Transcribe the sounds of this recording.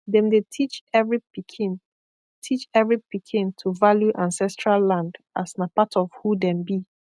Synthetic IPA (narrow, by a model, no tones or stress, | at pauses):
dɛ̃mdetʰit͡ʃɛvɹipikʰin | tʰit͡ʃɛvɹipikʰĩntʰuvaljuʔãnsɛstɹalːãndʔasnapatʰɔfhudɛ̃mbi